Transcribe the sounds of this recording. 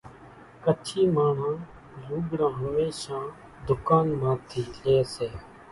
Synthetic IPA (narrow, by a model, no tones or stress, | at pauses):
kət͡ʃʰiːmaːɳ̤ãː | luːɡɽãːɦəmeːʃãː | d̪ʊkaːnmãːt̪ʰiːleːseː